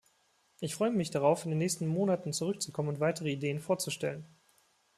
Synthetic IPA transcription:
ʔɪçfʁ̥ɔʏəmɪçd̥aʁaʊfɪndeːnːɛːçstn̩moːnatn̩t͡suʁ̞ʏk̚t͡sukʰɔmənʊntv̥aɪtəʁ̞əideːənfoːɐt͡suʃtɛlən

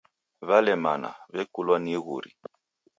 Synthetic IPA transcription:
βalɛma̰na̰βɛkulwaniɣṵɾḭ

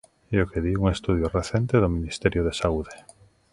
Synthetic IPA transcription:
eokeðiuŋest̪uð̞joreθent̪eðomĩnist̪ɛɾjoðesauðe

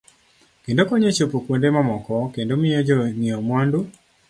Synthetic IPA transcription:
kendokɔɲat͡ʃopokwondemamɔkɔkendomɪjɔd͡ʒɔnɪɔmwandu

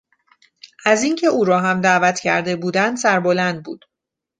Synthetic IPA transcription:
ʔæziŋcʰe̞ʔuːɾɒːɦæmd̪æːvæt̪ʰcʰæ̰ɾd̪e̞buːd̪ænd̪sæɾbo̞lænd̪̚bṵːd̪̥

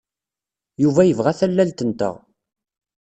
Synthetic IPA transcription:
juvæjəvʁæθælːælt̪ənt̪ə̰ʁ

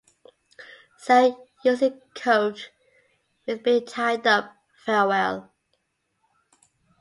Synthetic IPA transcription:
səjʉzɪkkʰːoʊt͡ʃ | ɪzbitʰaɪdʌp̚ | fɛwɛlˠ

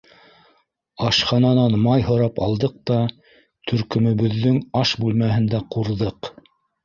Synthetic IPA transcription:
ɑʃχɑnɑnɑnmɑjhŏɾɑpɑlˠd̪ɤq̚t̪ɑ | t̪ʰɵ̆ɾkɵ̆mɵ̆βɵ̆ðːɵŋɑʃbʉlmæɦɘnd̪æquɾðɤq

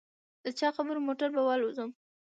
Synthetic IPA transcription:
d̪̥ət͡ʃɑxabəɾomoʈaɾbawalozəm

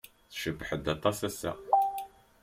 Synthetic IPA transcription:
θʃəbːħəd̪ɑt̪ˤːɑsæsæ̰

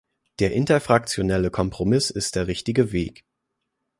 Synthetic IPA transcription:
d̥eːɐʔɪntɐfʁ̥ak̚t͡sjonɛləkʰɔmpʁ̥omɪsɪst̚d̥eːɐʁɪçtɪɡəveːk

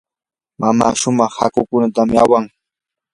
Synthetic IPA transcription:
mama̰ːʃʊmɑχha̰kʊkʊnat̪amɪawaŋ

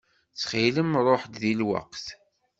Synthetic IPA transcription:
t͡sːχiləmrˤoħd̪ðilwə̰qθ

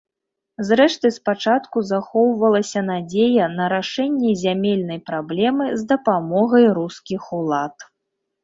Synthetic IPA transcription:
zɾɛʂt̪ɨspat͡ʂat̪kuzaxɔwvɐlˠɐsʲɐnad͡zʲejɐnɐɾaʂɛnʲːɛzʲamʲelʲnɐjpɾablʲɛmɨzd̪ɐpamɔɣɐjɾuskʲixulˠat̪

